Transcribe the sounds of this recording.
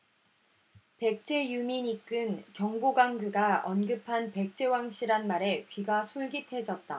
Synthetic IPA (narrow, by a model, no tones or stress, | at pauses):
pe̞k̚t͡ɕ͈e̞jumiɲik͈ɯnkjʌŋɡoɡaŋɡuɡaʌnɡɯpʰanpe̞k̚t͡ɕ͈e̞waŋɕʰiɾanmaɾe̞kɥiɡasʰoɭɡitʰe̞d͡ʑʌt̚t͈a